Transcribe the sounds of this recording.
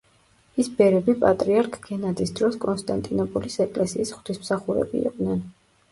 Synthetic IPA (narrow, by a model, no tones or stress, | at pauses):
isbɛɾɛbipʼat̪ʼɾiaɾkʼʰɡɛnad̪isd̪ɾɔskʼɔnst̪ʼant̪ʼinɔpʼulisɛkʼlɛsiːsχw̥t̪ʰismsaχuɾɛ̰bḭḭq̪ʼnɛn